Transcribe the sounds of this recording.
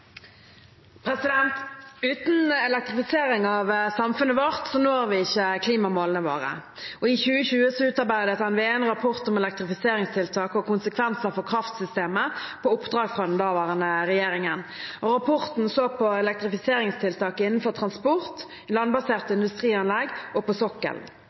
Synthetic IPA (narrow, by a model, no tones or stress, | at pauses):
pʰɾɛsɪd̪ɛnt̪ʉːt̪n̩ɛlɛk̚t̪ʁɪfɪseːɾɪŋɑʋsɑmfʉnəʋoʁt̪sɔnoːʁʋɪɪçːəkʰliːmɑmoːlənəʋo̰ːʁə̰ | ɔɪçʉːəçʉːəsɔʉːt̪ɑʁbæɪd̪ət̪hɑnʋɛænʁɑpʰɔʁt̪ʊmɛlɛk̚t̪ʁɪfɪseːɾɪŋst̪ʰɪlt̪ʰɑːkɔkʰʊnsəkʰʋɛnsəfɔʁkʰʁɑft̪sʏst̪eːməpʰɔʊpd̪ʁɑːɡfʁɑd̪ɛnd̪ɑːʋɑːʁənəɾɛjeːɾɪŋənɔʁɑpʰɔʁt̪n̩soːɡ̚pʰɔɛlɛk̚t̪ɾɪfɪseːɾɪŋst̪ʰɪlt̪ʰɑːkɪnːn̩fɔʁt̪ʰʁɑnspɔʁt̪ | lɑnbɑseːʁt̪əɪnd̪ʉst̪ʁiːɑnlɛɡʔɔpɔsɔkːə̰l